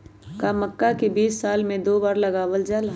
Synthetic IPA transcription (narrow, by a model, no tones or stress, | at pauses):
kaməkːakebiːsːaːlmẽd̪oːbaːɾləɡaːʋəld͡ʒalɦ